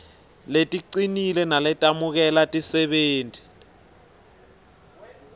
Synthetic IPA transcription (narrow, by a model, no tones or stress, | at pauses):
letʼiǀinilɛnalɛtʼamuk̬ɛlatʼisɛɓeːntʼi̥